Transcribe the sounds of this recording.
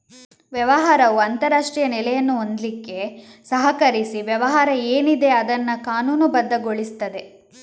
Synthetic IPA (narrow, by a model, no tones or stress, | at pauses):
ʋjɐʋɐɦaːɾɐʋuɐnt̪ɐɾaːʂʈɾijɐnɛlɛjɐnːuond̪likːe̞sɐɦɐkɐɾisiʋjɛʋɐɦaːɾɐeːnid̪e̞ɐd̪ɐnːɐkaːnuːnubɐd̪ːɐɡoɭist̪ɐd̪e̞